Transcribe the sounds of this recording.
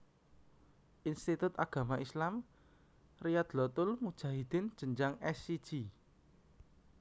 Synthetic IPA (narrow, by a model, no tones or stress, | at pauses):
ʔinst̪it̪ʊt̪aɡ̥a̤maislam | rijat̪lɔt̪ʊlmud̥ʒ̥a̤ɦid̪̥ɪ̤n̥ʒ̥ə̤ɲd͡ʒaŋɛsid̥ʒ̥i